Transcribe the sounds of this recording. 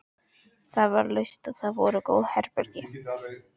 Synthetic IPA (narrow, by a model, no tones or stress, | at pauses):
θaðvaɾlœɥst̪aðθaðvɔɾʏkoːwðhɛɾpɛɾcɪ